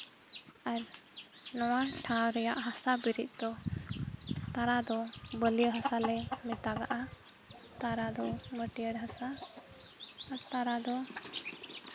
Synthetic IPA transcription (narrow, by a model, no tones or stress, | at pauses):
aɾnɔwaʈʰãwɾɛjaʔɦasabiɾit̪̚ˀd̪ɔ | t̪aɾad̪ɔbəlijəɦasalɛmɛt̪aɡa̰ʔa | t̪aɾad̪ɔməʈiəɽɦasa | ɾt̪aɾad̪ɔ